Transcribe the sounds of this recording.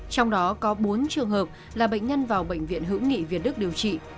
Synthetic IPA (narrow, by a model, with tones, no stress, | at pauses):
t͡ɕɔ˧wŋ͡mɗɔ˨˦kɔ˨˦ɓo˨˦nt͡ɕɨ˨˩əŋɦəː˨˩p̚ | laː˨˩ɓə̰˧˨ŋ̟ɲə˧nvaː˨˩wɓə̰˧˨ŋ̟vḭ˧˨ənɦɨ̰˧˥wŋḭ˧˨vi˨˩ət̚ɗk̚ɗi˨˩əwt͡ɕḭ˧˨